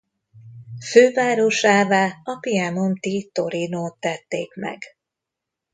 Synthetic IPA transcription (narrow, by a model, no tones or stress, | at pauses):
føːvaːɾo̞ʃaːvaːɒpijɛno̞mt̪iːt̪oɾinoːt̪ːɛt̪ːeːkmɛ̰ɡ